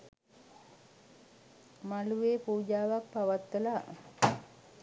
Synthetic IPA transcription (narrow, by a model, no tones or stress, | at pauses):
maluʋeːpuːd͡ʒaːʋak̚paʋat̪ʋəla